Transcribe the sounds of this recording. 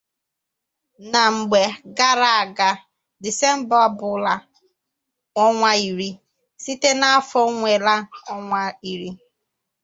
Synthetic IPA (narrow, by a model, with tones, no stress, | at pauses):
na˨ŋ͡m̩˨ɡ͡be˨ɡa˦ɾa˨a˨ɡa˦ | dɪ˨se˦m̩˦bɔ˦a˦bʊ˨˦la˨ | ɔ˦ŋʷa˦i˨ɾi˦ | si˦te˦na˦a˦fɔ˦ŋʷe˨la˦ɔ˦ŋʷa˦i˨ɾi˦